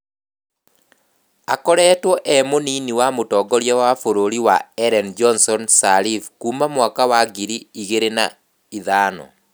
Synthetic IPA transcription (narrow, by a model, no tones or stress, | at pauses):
a̰kɔɾɛːtwɔʔɛmoniniwamotɔːɡɔɾjɛwafoɾoɾiwaɛɾɛnd͡ʒɔnsɔnsaɾifkuːmamwakawaɡiɾiiɣeɾena | iðaːnɔ̰